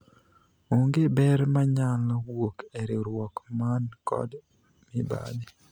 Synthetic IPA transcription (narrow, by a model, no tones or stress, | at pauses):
oŋɡebɛɾmaɲalwokɛɾɪɾwɔkmankɔ̰d | mɪba̰di